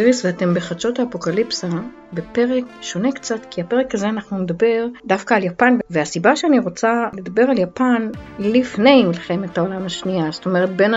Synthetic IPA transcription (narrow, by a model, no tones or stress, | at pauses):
ʁisveate̞mbe̞χat͡ʃo̞taːpo̞kalipsa | be̞pe̞ʁekʃo̞ne̞kt͡satkiape̞ʁekazeanaχnune̞d̪abe̞ʁdafkaːljapanvveasibaʃeaniʁo̞t͡sale̞d̪abe̞ʁaljapanlifne̞jmilχe̞me̞taolamaʃniazt̪o̞me̞ʁe̞t̚be̞n